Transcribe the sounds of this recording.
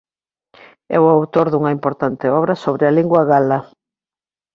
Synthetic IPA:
ɛ̰wawt̪oɾðuŋɐimpoɾt̪ant̪eɔβɾɐsoβɾɪaliŋɡwɐɣalɐ

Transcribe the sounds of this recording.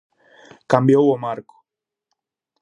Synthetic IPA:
kambjowomaɾkʊ̥

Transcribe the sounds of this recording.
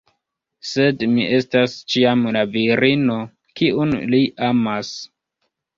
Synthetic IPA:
se̞dmiʔe̞stast͡ʃiamlaviɾino̞ | kiʔunliʔamas

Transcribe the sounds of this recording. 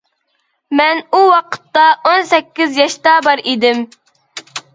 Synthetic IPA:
mɛnuwɑqʰə̥t̪ːɑʔonsɛkʲːɪzjɑʃt̪ɑbɑɾid̪ɪm

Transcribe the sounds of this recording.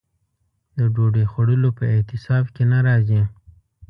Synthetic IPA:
d̪əɖoɖexwaɽəlopəɪt̪ɪsɑbkenaɾɑzi

